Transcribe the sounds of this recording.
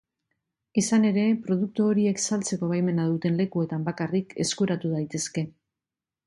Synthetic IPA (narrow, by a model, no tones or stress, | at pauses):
isane̞ɾe̞pɾo̞ð̞uk̚t̪uoɾie̞ksalt͡se̞ko̞β̞ajme̞nað̞ut̪e̞nle̞kue̞t̪ambakarike̞skuɾat̪uð̞ajt̪e̞ske̞